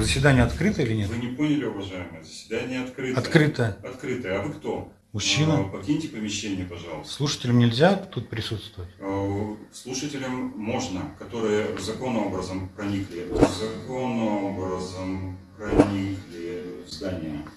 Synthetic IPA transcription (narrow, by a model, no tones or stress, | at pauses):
zəsʲvʲɪd̪anʲɪjəɐt̪kɾɨt̪əilʲɪnʲetvɨnʲɪponʲɪlʲɪʊvɐʐajɪməjəzəsʲvʲɪd̪anʲɪjəɐt̪kɾɨtɐkɾɨt̪əjəɐt̪kɾɨt̪əjəɐvɨkt̪o̞ | mʊɕːinəpɐkʲinʲtʲɪpəmʲɪɕːenʲɪjəpɐʐɑlˠsslˠuʂə̥tʲɪlʲəmnʲɪlʲzʲat̪ut̪̚pɾʲɪsut̪st̪vʊvətʲ | slˠuʂətʲɪlʲəmːo̞ʐnəkɐt̪o̞ɾɨjəvzɐko̞nːəo̞bɾəzəmpɾɐnʲiklʲɪzɐko̞nːəobɾəzəmpɾɐnʲiklʲɪzd̪anʲɪjə